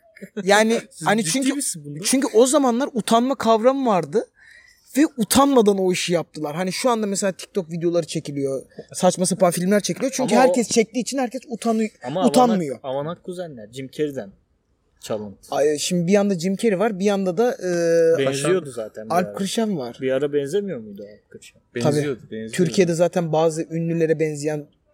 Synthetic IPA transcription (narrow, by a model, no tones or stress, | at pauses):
jaːnɪhanit͡ʃʰyɲcʰyt͡ʃʰyɲcʰyo̞zamanlˠaɾut̪ʰanmakʰavɾamvaɾd̪ɯ | vɛut̪ʰanmad̪ano̞iʃɯjap̚t̪ʰɯlˠaɾɦaniʃuand̪amɛs̬elʲaːt̪ʰi̥c̚t̪ʰo̞kvid̪ejo̞lˠaɾɯt͡ʃʰecilʲijo̞sat͡ʃmasapanfilʲmlʲæɾt͡ʃʰecʰilʲijot͡ʃʰyɲcyɦæɾcʰɛst͡ʃʰɛc̚t̪iːt͡ʃʰinhæɾcʰɛsut̪ʰanɯjamut̪ʰanmɯjoavanakːuzanʲæɾd͡ʒimcʰeɾid̪æn | t͡ʃʰalˠɯnt̪ɯ̥aʃimd̪ibijand̪ad͡ʒimcʰe̞ɾivaɾbijand̪ad̪aɯːbɛzijod̪uzaːt̪ʰænalʲp̚kʰɯɾɯʃanvaɾ̥biaɾabɛnzemijoɾmujd̪alʲp̚kʰɯɾɯʃambɛabiːjod̪ubɛnzt̪ʰyɾcʰije̞d̪ɛzaːt̪ʰænbaːzɯʔynlʲylʲe̞ɾɛbɛnzijæn